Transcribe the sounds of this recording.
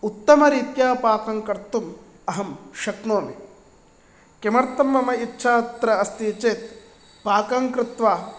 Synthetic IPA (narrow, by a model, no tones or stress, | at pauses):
ut̪ːɐmɐɾiːt̪jaːpaːkɐŋkɐɾt̪ːum | ɐɦɐmʃɐknoːmi | kemɐɾt̪ɐmːɐmɐitːʃʰaːt̪ɾɐɐst̪iːt͡ʃeːt̪ | paːkɐŋkɾɪt̪ʋaː